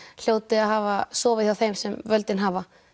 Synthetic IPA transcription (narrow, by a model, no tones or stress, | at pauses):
l̥joːwt̪ɪaɦaːvasɔːvɪθjawθejmsɛmvœlt̪ɪnɦaːva